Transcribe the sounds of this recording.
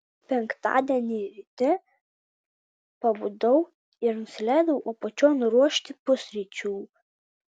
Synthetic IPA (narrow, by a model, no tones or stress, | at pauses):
pʲɛŋkt̪ɑ̰ːd̪ʲiɛnʲiːʋʲɪt̪ʲɪ | pɐbud̪ɐʊ | ɪɾnʊsʲɪlʲæˑɪd̪ɐʊuːpot͡ʃʲoːnʊɾuɔʃʲt̪ʲɪpʊsʲɾʲɪt͡ʃʲuː